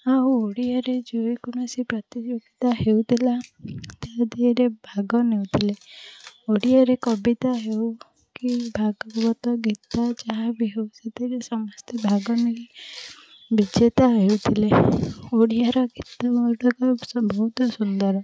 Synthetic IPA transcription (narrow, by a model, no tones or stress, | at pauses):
auoɽiaɾed͡ʒoekuɽ̃ɔsipɾɔt̪id͡ʒoɡit̪aɦewt̪ʰilat̪aɦd̪ieɾebʱaɡɔnewt̪ʰile | oɽiaɾekɔbit̪aɦew | kibʱaɡɔbɔt̪ɔɡit̪at͡ʃaɦabiɦewset̪iɾesɔmɔst̪ʰibʱaɡɔneɾi | bid͡ʒet̪aɦeut̪ʰileoɽiaɾɔɡit̪amɔld̪ɔkɔsɔbʱɔɦut̪ɔsund̪ɔɾɔ